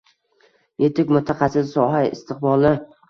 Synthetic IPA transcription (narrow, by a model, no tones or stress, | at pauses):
jet̪ʰɪkʲmʊt̪ʰːaqɑsɪsɒɦaɪ̰st̪ʰɪqbɒlˠɪ